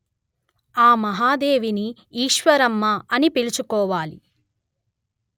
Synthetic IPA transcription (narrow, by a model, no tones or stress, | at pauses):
aːmɐɦaːd̪eːʋini | iːʃʋɐɾɐmːɐɐnipilit͡ʃukɔːʋaːli